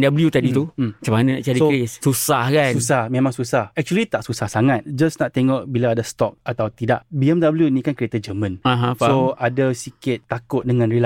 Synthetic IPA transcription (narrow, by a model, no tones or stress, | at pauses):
ndabəljut̪adit̪uat͡ʃamanana̰ʔt͡ʃaɾisokɾɪssusahkasnus̬ahmẽmãŋsusahɛk̚t͡ʃuəlit̪aʔsusahsaŋat̪̚d͡ʒasnaʔt̪eŋɔʔbilaːdast̪ɔk̚at̪awt̪idaʔbiɛmdabəljunĩkankəɾet̪ad͡ʒəmə̃nãɦãfsoadasikɪt̪̚ːakʊt̪̚dəŋãnɾila